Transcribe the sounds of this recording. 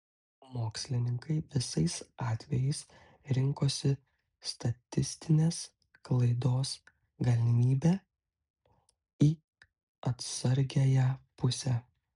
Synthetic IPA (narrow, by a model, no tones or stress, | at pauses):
moːksʲlʲɪnʲɪŋkɐɪʋʲɪsɐɪsɑːt̪ʲʋʲɛjɛɪs | ɾʲɪŋkoːsʲɪ | st̪ɐt̪ʲɪsʲt̪ʲɪnʲeːs | klˠɐɪd̪oːs | ɡɐlʲɪmʲiːbʲæː | iː | ɐt̪sɐɾʲɡʲæjɛpʊsʲɛ